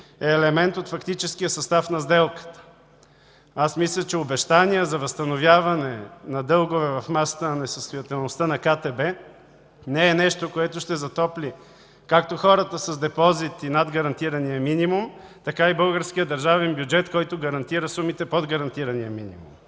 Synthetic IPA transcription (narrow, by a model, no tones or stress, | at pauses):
ɛːlɛmɛnt̪ot̪fɐkt̪it͡ʃɛskijəsɐst̪afnɐzd̪ɛlˠkə̥t̪ə̥ | asmislʲɐt͡ʃɛobɛʃt̪aniɛzɐvɐst̪ɐnovjavɐnɛnɐd̪ɤlˠɡʊvɛvɐfmasə̥t̪ənnɛsəst̪ojɐt̪ɛlˠnost̪anɐkat̪ɛbɛ | nɛɛnɛʃt̪okoɛt̪ʊʃt̪ɛzɐt̪ɔpli | kak̚t̪oxɔɾət̪əsɐzd̪ɛpɔzit̪inad̪ɡɐɾɐnt̪iɾɐnijəminimumt̪ɐkaibɤlˠɡəɾsk̟ijəd̪ɐɾʒavɛnbjud͡ʒɛt̪kɔjt̪ʊɡɐɾɐnt̪iɾəsumit̪ɛpod̪ɡɐɾɐnt̪iɾɐnijəminḭmṵm